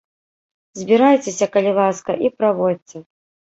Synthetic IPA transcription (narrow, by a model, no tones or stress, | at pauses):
zʲbʲiɾajt͡sʲesʲɐkɐlʲilˠaskɐʔipɾavɔd͡zʲt͡sʲɛ